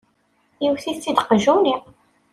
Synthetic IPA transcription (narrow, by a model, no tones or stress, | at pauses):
jiwθit͡sːid̪qəʒuniq